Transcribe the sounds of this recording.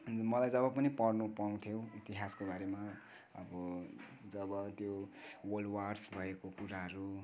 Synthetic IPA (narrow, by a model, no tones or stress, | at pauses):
mʌlajd͡zʌβʌpʌnipʌrnupaw̃t̪ʰjowit̪iɦaskobaɾema | ʌbʌ | d͡zʌbʌt̪jowolwarsbʱʌekokuɾaɦʌɾu